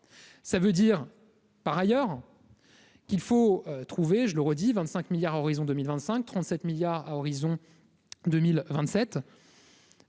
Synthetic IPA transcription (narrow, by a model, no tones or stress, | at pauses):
savød̪iʁ | paʁajœːʁ | kʲilfoøt̪χuveʒələʁəd̪ivɛ̃nt̪sɛ̃kmiljaʁaɔʁizɔ̃d̪əmilvɛ̃nt̪sɛ̃k̚t̪χɑ̃t̪sɛt̪miljaʁaɔʁizɔ̃ | d̪ømilvɛ̃t̪sɛt̪